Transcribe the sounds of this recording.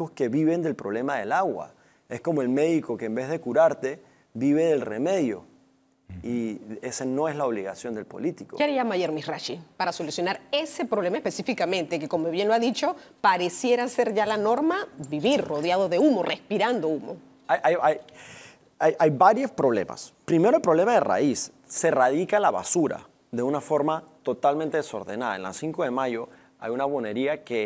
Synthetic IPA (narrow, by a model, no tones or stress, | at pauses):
oske̞βiβe̞nd̪e̞lpɾo̞βle̞maðe̞̰laɣwa̰ | esko̞moelme̞ðiko̞keːmbe̞zðe̞kuɾaɾt̪e̞ | βiβe̞ðe̞lrḛme̞ðjo̰ | iesano̞e̞zlaoβ̞liɣa̰sjo̞nd̪e̞lpo̞̰lit̪ikoejamajeɾmisraʃipaɾaso̞lusjo̞naɾe̞se̞pɾo̞βle̞maespesifikamẽ̞nt̪eke̞komoβje̞nloaðit͡ʃo̞paɾesje̞ɾase̞ɾʝalano̞ɾmaβiβiɾro̞ðjaðoðeumo̞respiɾand̪oumo̰ | ajʔajaj | ajajβaɾjospɾo̞βle̞̰ma̰spɾime̞ɾoelpɾo̞βle̞maðera̰isː | e̞raðikalaβa̰suɾa̰ | ðe̞unafo̞ɾmat̪o̞t̪almẽnt̪e̞ðeso̞ɾðe̞̰naðaḛnla̰siŋkoðe̞maʝo̞ | a̰junaβone̞ɾiake